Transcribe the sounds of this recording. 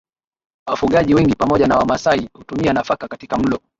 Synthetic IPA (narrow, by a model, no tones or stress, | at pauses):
wafuɠaʄiwɛŋɡipamɔʄanawamasaihutumianafakakatikam̩lɔ